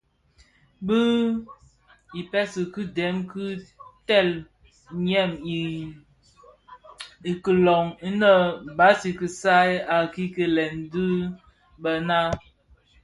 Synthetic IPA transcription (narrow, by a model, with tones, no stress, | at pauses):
bɨ˦ | i˨pɛ˦sɨ˨kɨ˦dɛ˨˦mkɨ˦tɛ˦˨l | ɲɛ˦˨mi˨ | i˨kə˨lɔ˨ŋi˦nə˦˨ba˨˦si˨kɨ˨sa˦ja˨ki˦kə˨lɛ˨ndɨ˦ | bə˨na˦